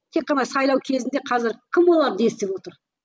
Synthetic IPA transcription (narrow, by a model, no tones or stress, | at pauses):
t̪ʰe̞qːɑnɑsɑjlˠɑwkʲʰe̞zɪnd̪e̞qʰɑzɪɾkʲʰɪmwo̞lˠɑɾd̪est̪epwo̞t̪əɾ